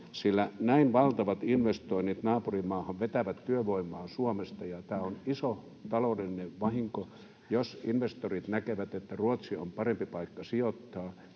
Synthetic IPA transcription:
silːænæinʋɑlt̪ɑʋɑt̪inʋest̪oinit̪nɑːpurimɑːhɑʋʋet̪æʋæt̪t̪yøʋoimˑɑːsuomest̪ɑjɑt̪æːoniso | t̪ɑloˑulilineʋʋɑhiŋko | josinʋest̪orit̪nækeʋæt̪et̪ːæruot̪sio̰mpɑrempipɑikːɑsiot̪ːɑː

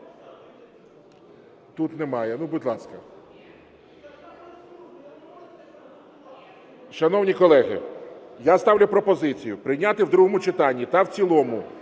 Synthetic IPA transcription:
t̪ut̪nɛmɑjɛnubʊdʲlˠɑskɐ | ʃɐnɔwnʲikɔlˠɛɦɪ̰jast̪ɑwlʲʊpɾɔpɔzɪt͡sʲijʊpɾɪjnʲat̪ɪwd̪ɾuɦɔmʊt͡ʃɪt̪ɑnʲːit̪ɐwt͡sʲilˠɔmʊ

